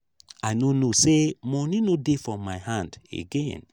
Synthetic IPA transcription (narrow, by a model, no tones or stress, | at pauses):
ajnonosemɔnĩnodefɹɔ̃mːajhãndḛɡẽn